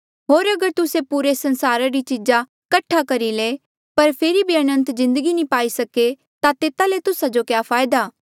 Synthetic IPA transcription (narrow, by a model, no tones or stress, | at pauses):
ɦoːɾɐɡəɾt̪ʊsepuːɾesɐ̃nsaːɾaɾit͡ʃid͡ʒa | kɐʈʰakɐɾileː | pɐɾpʰeːɾibʱiɐnə̃nt̪zɪ̃nd̪əɡinĩpaːisɐke | t̪at̪eːt̪alet̪ʊsad͡ʒokjaːpʰaːjd̪aː